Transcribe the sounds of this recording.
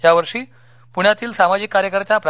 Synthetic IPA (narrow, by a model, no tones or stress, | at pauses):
jaʋəɾʂiː | puɳ̃jat̪iːlsamad͡ʑikːaɾjəkəɾt̪japɾa